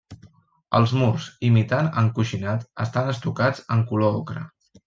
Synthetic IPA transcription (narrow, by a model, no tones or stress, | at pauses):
ə̰lˠzmurzimit̪anəŋkuʃinat̪əst̪anəst̪ukad͡zəŋkuloɔkɾə̰